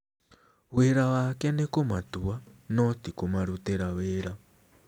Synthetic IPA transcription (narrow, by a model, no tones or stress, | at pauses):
weɾawakanekomatuwanotikomaɾuteɾaweːɾa